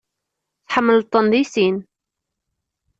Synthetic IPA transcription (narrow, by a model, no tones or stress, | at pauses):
θħəmːəlt̪ˤːənd̪isin